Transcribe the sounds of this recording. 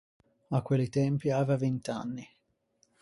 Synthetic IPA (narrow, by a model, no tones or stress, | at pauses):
akːwelit̪ɛmpiaːvavint̪a̰nːi